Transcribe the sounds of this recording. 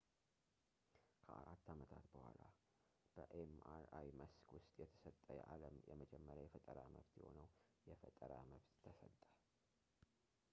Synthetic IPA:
kʰəaɾat̪ːamət̪ʰat̪bəhʷala | b̥əʔemaɾajməskwʊst̪ʼjɛt̪ʰə̥sət̪ʼːəjʔaləmjɛməd͡ʒɛmːəɾjawjɛfət̪ʼəɾaməβt̪jɛho̞nəwjɛfət̪ʼəɾaməβt̪ːʰəsət̪ʼːə̥

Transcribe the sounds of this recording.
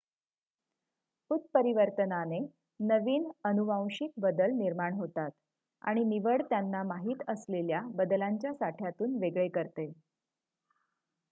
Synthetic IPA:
put̪̚pəɾiʋəɾt̪ənane | nəʋiːnənuʋãw̃ɕik̚bəd̪əlniɾmaɳɦot̪at̪ | a̰ɽ̃iniʋəɽt̪janːamaɦiːt̪əsleljabəd̪əlaɲt͡ɕjasaʈʰjat̪uːnʋeɡɭekəɾt̪e

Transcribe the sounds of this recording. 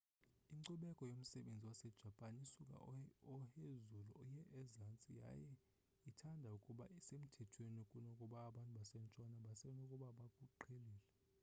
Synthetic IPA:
iŋǀɔɓɛkʼɔjom̩sɛɓend͡zʱiwasɛd̥ʒ̥ʱapʼanisukʼa̰ɔhezulṵʔɔjɛʔːzant͡sʼija̰jɛ | itʰandʱaukʼuɓa̰isem̩tʰɛtʰweniokʼunokʼuɓaːɓantʼuɓasɛnt͡ʃʼwanaɓasɛnokʼuɓaɓakʼuǃʰeliːlɛ

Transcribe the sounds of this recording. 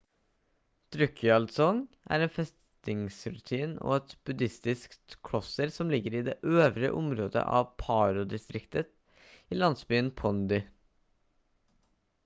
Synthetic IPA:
d̪̥ɾʏkʰʏɑlsɔŋ | ʔæ̰ːɾeːnfɛs | t̪ɪŋsɾʉt̪ʰiːno̰ːɛt̪b̥ʉd̪ɪst̪ɪskt̪kʰɽɔsəɾsɔmlɪɡəɾiːd̪ḛːʔøːʋɾə̰ʔʊmɾoːd̪ə̰ʔɑ̰ʋpʰɑːɾʊd̪ɪst̪ɾɪkt̪ət̪ | iːlɑnsbyːənpʰɔnd̪ʏ

